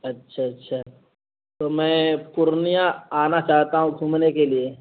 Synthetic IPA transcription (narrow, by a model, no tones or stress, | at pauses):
ɐtːʃʰaɐtːʃʰaː | t̪omɛ̃ːpʊɾnijãaːnat͡ʃaːɦt̪aɦũɡʱumnekelie